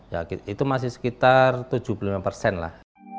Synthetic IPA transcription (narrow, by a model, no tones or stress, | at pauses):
ja̰it̪umas̬ɪhsə̥kit̪art̪u̥d͡ʒ̥upulimapərsɛnla̰h